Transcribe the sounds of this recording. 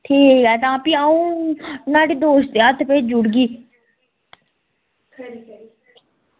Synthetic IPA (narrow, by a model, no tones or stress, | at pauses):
ʈʰiːkɦɛːt̪ãːpiaũːnaːɖid̪oːʃt̪eət̪ʰpeːd͡ʒʊɽɡiː